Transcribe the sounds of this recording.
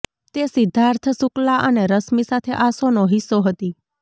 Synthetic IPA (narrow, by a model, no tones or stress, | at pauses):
t̪esɪd̪ʱːaɾt̪ʰəsuklaʔəneɾəsmisat̪ʰeʔasonoɦɪsːoɦət̪i